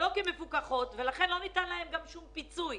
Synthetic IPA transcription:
o̞kemefukaχo̞tvelaχenlo̞nitanlaemɡamʃumpit͡suj

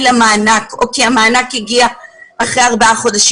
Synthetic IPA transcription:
lamaːnako̰kiamaːnakhiɡiaːχʁeaʁbaaχo̞daʃ

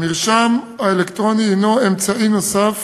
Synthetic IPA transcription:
miʁʃam | aelekt̪ʁo̞niinoemt͡saʔinosaf

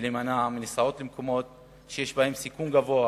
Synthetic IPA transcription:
lemanaminesao̞t̪lemko̞mo̞t̪̚ | ʃejeʃbahe̞msikumɡavo̞a

